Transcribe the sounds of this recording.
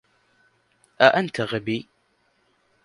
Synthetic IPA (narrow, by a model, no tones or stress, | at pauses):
ʔaʔant̪aɣabiː